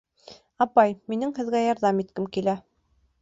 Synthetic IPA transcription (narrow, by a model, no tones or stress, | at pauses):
ɑpɑjminɘŋhɘ̆ðɡæjɑɾðɑmit̪kɘmkilæ